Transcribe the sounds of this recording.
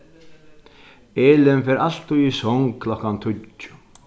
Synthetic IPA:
eːlɛnfɛɾal̥t̪uisɔŋkʰlɔkːant̪ʰʊʊ̥

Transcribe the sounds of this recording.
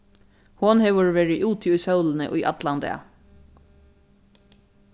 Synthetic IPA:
hʊnhɛʋəɹʋeːɹɪʔuːt̪ʰːʊjsœwlənə̰ʔʊjʔa̰t̪land̪ɛ̰a̰

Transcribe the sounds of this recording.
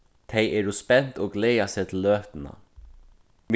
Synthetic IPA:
t̪ʰɛjɛːɹʊspɛn̥t̪oːɡlɛːasɛːt̪ʰɪlːøːht̪ɪna̰ | m

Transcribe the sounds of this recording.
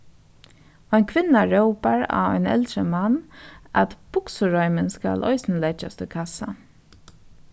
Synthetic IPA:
ɔnkʰʋɪnːaɹɛʊpaɹa̰ɔ̰ʏnɛ̰lt̪ɾəmana̰t̪b̥ʊksʊɹɔʏmənska̰lʔɔ̰ʏsnlɛt͡ʃast̪ʰɪkʰasa

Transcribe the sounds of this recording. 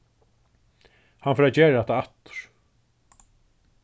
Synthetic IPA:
hanfœɾat͡ɕeːɾɾɛht̪aaht̪ːʊ̥ɹ̥

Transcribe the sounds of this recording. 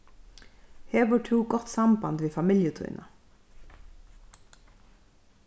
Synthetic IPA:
heːboːʈʰuːɡɔt̪sɑmbɑ̰nd̪ʋiːfɑmɪljət̪ʰʊ̰ʏnʔə

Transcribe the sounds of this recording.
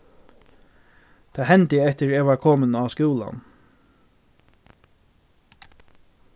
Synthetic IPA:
t̪ʰaːɦɛnt̪ɪɛht̪ɪɹeːʋaɾkʰoːmənaskuːla̰n

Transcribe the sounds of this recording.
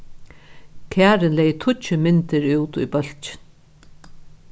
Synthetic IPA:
kʰæːɾɪnlɛjt̪ʰʊt͡ʃəmɪnt̪ɪɾuːt̪ʊ̰jbœl̥t͡ʃɪ̥n

